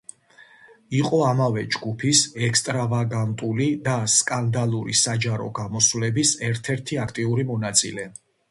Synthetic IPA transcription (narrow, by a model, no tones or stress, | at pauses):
iqʼɔamavɛd͡ʒɡupʰisɛkst̪ʼɾavaɡant̪ʼulid̪askʼand̪alˠuɾḭsad͡ʒaɾɔ̰ɡamɔswlɛbisɛɾt̪ʰɛɾt̪ʰiakʰt̪ʼiuɾimɔnat̪sʼḭlɛ